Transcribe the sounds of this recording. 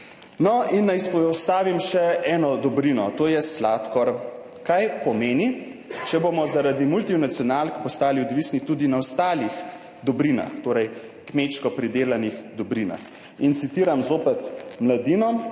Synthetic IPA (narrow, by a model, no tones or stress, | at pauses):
nɔinːajspɔst̪aːʋimʃɛɛːnɔd̪ɔbɾinɔt̪oːjɛslaːt̪kɔɾ | kajpɔmeːni | t͡ʃɛboːmɔzaɾad̪imult̪inat̪siɔnalkpɔst̪aːliɔd̪ʋiːsnit̪ud̪inaɔst̪aːlix | d̪ɔbɾina̰xt̪oːɾɛj | kmeːʃkɔpɾid̪eːlanixd̪ɔbɾina̰x | int̪sit̪iːɾamzoːpɛt̪mlad̪inɔ